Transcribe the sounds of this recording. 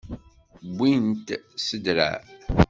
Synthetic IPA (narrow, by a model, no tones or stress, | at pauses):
bʷːint̪səd̪ɾæ̰